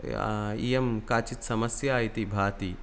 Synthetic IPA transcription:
ḭjɐmkaːt͡ʃit̪sɐmɐsjaːit̪ibʱaːt̪i

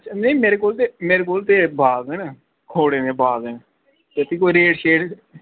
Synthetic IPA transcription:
əʃʰaneːmeːɾeːkoːlt̪eːmeːɾekoːlt̪eːbʱaːɡd̪eːn | kʰoːɽeːnẽːbʱaːɡd̪eːn | t̪et̪iːkoːiɾeːʈʃeːʈ

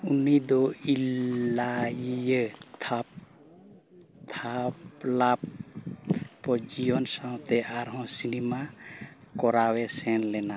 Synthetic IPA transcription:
unid̪ɔilajijət̪ʰap | t̪ʰaplap̚ | pɔd͡ʒijɔnsãwt̪ɛʔaɾɦɔ̃sinima | kɔɾawɛsɛnlɛna

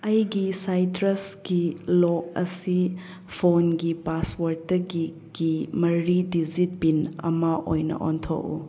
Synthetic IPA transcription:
ɐjɡisajtɾɐsɡilɔk̚ɐ̰si | pʰonɡipaswɐɾtɐɡi | ɡ̥imɐɾidizit̚binɐ̰mɐʔojnɐ̰ʔo̰ntʰo̰kṵ

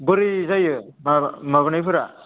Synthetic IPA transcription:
bɯɾizajɯ | mamaβɯnajpʰɯɾa

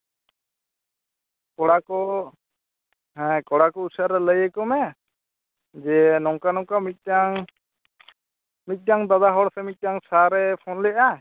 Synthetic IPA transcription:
kɔɽakɔ | ɦɛ̃kɔɽakɔusaɾɛləjəkɔmɛ | d͡ʒɛnɔŋkanɔŋkamit̪̚ˀdaŋ | mit̪̚ˀdaŋd̪ad̪aɦɔɽsɛmit̪̚ˀdaŋsaɾɛpʰɔnlɛʔa

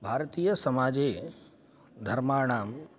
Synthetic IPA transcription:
bʱaːɾt̪iːjəsəmaːd͡ʑe | d̪ʱəɾmaːɳ̃aːm

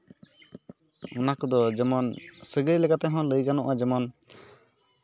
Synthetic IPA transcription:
ɔnakɔd̪ɔd͡ʒɛmɔnsəɡɾilɛkat̪ɛɦɔ̃ləjkanɔʔad͡ʒɛmɔn

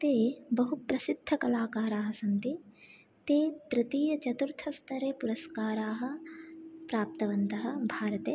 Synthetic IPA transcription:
t̪eːbɐɦupɾɐsid̪ʱːɐkɐlaːkaːɾaːɦɐ̆sɐnt̪i | t̪eːd̪ɾɪt̪iːjɐt͡ʃɐt̪uɾt̪ʰɐst̪ʰɐɾeːpuɾɐskaːɾaːɦɐ̆ | pɾaːp̚t̪ɐʋɐnt̪ɐɦɐ̆bʱaːɾɐt̪eː

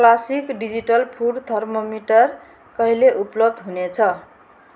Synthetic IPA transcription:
klasikɖid͡ziʈʌlpʰuɖt̪ʰʌrmomiʈʌr | kʌɦileʔuplʌb̚d̪ɦunet͡sʰʌ

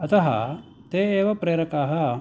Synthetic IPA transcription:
ɐt̪ɐɦɐ̰ | t̪eːeːʋɐpɾeːɾɐkaːɦɐ

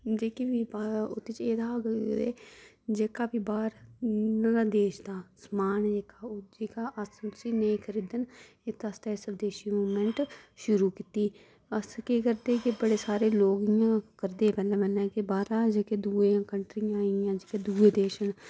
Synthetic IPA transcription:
d͡ʒeːkebiːbaʊ̰t̪ːeːt͡ʃeːd̪aːɡḛː | d͡ʒeːkaːpiːbaːɾñːaːd̪eːʃd̪aːsmaːnd͡ʒeːkaːd͡ʒeːkaːʔəst̪ʊsiːneĩkʰəɾiːd̪ən | et̪əst̪ɛːɪsəbd̪eːʃiːmuːmɛ̃ɳʈʃʊɾuːkit̪iː | əskeːkəɾd̪eːkɪbəɽeːsaːɾeːloːɡɪjãːkəɾd̪eːpɛːlãːmɛnɛ̃ːkɪbaːɾaːd͡ʒeːkeːd̪uːẽːkəɳʈɾijãːijãːd͡ʒeːkeːd̪uːeːd̪eːʃən

